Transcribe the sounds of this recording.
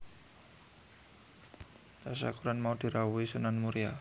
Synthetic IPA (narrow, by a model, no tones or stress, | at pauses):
t̪asa̰kuɾanmaud̪̥i̤ɾawuisunanmuɾia